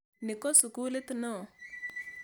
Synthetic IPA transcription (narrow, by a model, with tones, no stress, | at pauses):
nɪ˨kɔ˦su˨ku˦le˦t̪u˦nɔ˦˨